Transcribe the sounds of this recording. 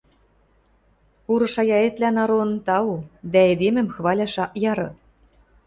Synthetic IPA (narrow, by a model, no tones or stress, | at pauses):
puɾɤ̆ʃɑjɑet̪lʲænɑɾont̪ɑud̪æed̪emɘ̆mxβɑlʲɑʃɑʔjɑɾɤ̆